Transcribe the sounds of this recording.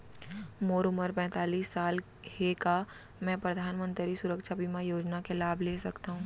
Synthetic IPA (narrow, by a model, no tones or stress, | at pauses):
moːɾʊməɾpɛ̃ːt̪aːliːsːaːl | heka | mɛ̃pɾɐd̪ʱaːnmə̃nt̪ɾɾisʊɾəkʃabimajoːd͡ʒnakelaːbʱleːsɐkt̪aɦũː